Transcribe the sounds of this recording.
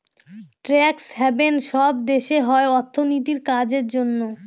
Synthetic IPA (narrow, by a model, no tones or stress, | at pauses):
ʈɾɛksɦɛbenʃɔb̚d̪eʃeɦɔeɔɾt̪ʰːonit̪iɾkad͡ʑeɾd͡ʑonːo